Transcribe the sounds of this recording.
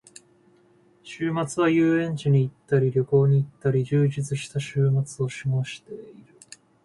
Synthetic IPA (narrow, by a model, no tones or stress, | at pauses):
ɕɨːmat͡sɨβ̞ajɯːẽ̞ɲ̟t͡ɕiɲ̟iːt̪ːaɾʲiɾʲjo̞ko̞ːɲ̟iːt̪ːaɾʲiʑɨːʑit͡sɨɕi̥t̪aɕɨːmat͡sɨo̞ɕiŋaːɕi̥t̪e̞iɾɯ̟